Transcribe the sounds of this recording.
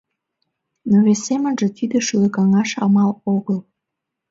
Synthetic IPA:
noβesemənʒĕt̪id̪ə̆ʃylə̆kɑŋɑʃɑ̰mɑloɣəl

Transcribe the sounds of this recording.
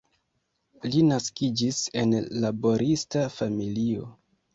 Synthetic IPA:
linaskid͡ʒise̞nlabo̞ɾʔistafamilio̞

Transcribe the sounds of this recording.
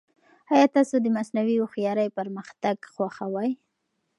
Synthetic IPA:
ɑjɑt̪ɑsod̪əmasnawioxjɑɾəjpəɾməxt̪aɡxwaxawɑj

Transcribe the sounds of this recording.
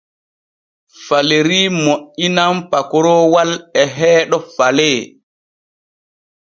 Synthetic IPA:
faleɾiːmoʔːinampakɔɾɔwalɛɦɛːɗɔfalɛː

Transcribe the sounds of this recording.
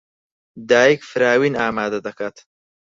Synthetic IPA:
d̪aːjikfɨɾaːwiːnaːmaːd̪ɐd̪ɐkaːt̪

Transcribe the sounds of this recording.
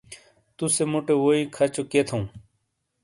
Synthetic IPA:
t̪usemuʈewoikʰɐt͡ɕoket̪ʰõː

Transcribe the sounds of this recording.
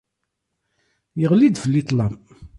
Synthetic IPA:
jəʁlid̪fəlːit̪ˤlɑm

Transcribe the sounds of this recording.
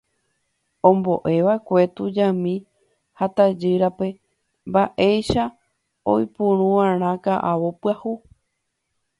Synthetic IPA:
õmbo̞̰ʔe̞ʋaekʷe̞t̪ud͡ʒãmĩ | hat̪ad͡ʒɨɾape̞ | mbaʔe̞jʃa | o̰jpũɾ̃ũʋãɾ̃ãkaʔaʋopɨahu

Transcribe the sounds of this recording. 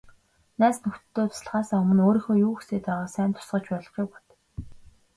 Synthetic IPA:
næːsnɵxt̪t̪ʰːoːt̪ʰsɮʁaːsaːɵmɵ̆noːɾĭŋxoːjuːxuseːt̪aʁaːsæːnt̪ʰʊ̥sɢə̆t͡ɕpɔɮɞ̆χujpɔt̪

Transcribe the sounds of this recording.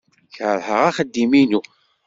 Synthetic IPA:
çəɾˤhəʁaχəd̪ːiminu

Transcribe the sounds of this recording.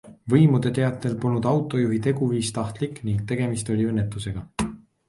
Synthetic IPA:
vɤjmud̪̥e̞t̪e̞ɑt̪ːˑe̞lpolnud̪̥ɑwt̪ˑo̞juɦit̪e̞ɡ̥uviːst̪ɑht̪likːˑniŋɡ̥t̪e̞ɡ̥e̞mist̪o̞lʲiønːe̞t̪ːˑuse̞ɡ̥ɑ

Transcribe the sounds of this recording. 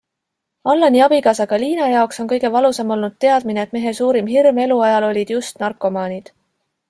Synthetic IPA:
ɑlːɑniɑbikɑsɑɡ̥ɑliːnɑjɑokso̞nkɤ̞jɡ̥e̞vɑlusɑmo̞lnud̪̥t̪e̞ɑd̪̥̚mineːt̪ːˑme̞ɦe̞suːɾimɦirme̞luɑjɑlo̞lʲid̪̥just̪nɑrkːˑo̞mɑːnʲid̪̥

